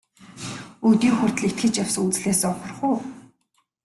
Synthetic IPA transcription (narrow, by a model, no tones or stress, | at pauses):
ut̪iːŋxʊr̥ʲt̪ɮikt̪̚xɘ̆t͡ɕaw̥sut͡sɮeːsɔpə̆rχʊː